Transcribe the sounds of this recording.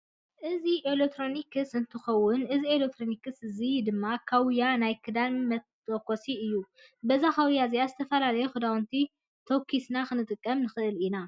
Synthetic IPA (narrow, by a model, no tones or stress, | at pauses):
ʔɨziʔelek̚t̪ʰɾo̞nikʰɨsɨnt̪ʰɨxɐwːʊnɨzielek̚t̪ʰɾonikɨsɨzid̪ɨmːakʰawjanajkʰɨd̪anmɐtʼː | okʰo̞siɨjːu | bɐzakʰawjazijazɨt̪ʰɐfɐlalɐjuxɨd̪awnt̪ʰi | t̪ʰokʰːisnaxɨnɨt̪ʼɨkʼːɐmnɨxɨʔɨlina